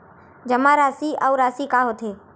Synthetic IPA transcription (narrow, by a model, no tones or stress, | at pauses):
d͡ʒəmãːɾaːsiːauɾaːsikaːɦot̪ʰeː